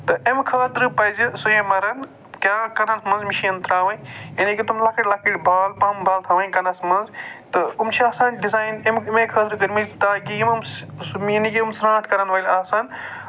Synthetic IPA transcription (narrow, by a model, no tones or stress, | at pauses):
t̪ɐʔemkʰɐːd̪ɾɨpɐzisujẽmɐɾɐn | kʲaːkɐnɐsmɐnzmiʃiɐnt̪ʰɾaːʋɐnɐnikʲit̪umlakʰiʈʲlakʰiʈbʱaːlpaːmbʱaːlt̪ʰɐʋɐnkɐnɐsmɐnzt̪ɐumt͡ʃʰiaːsãːnɖizaːjnemmẽkʰɐːd̪ɾɨkɐɾmizt̪aːkiimɐmsminikʲiumsɾãːʈʰkɐɾɐnʋɐjlaːsɐn